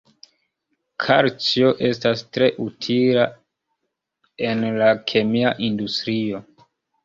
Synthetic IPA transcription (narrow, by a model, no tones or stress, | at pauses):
kʰaɾt͡ʃio̞ʔe̞stastɾe̞ʔutʰila | e̞nlakʰe̞miaʔindustɾio̞